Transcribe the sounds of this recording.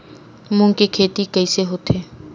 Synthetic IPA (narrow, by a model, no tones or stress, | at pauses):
mʊ̃ŋkekʰeːt̪ikəɪseɦot̪ʰeː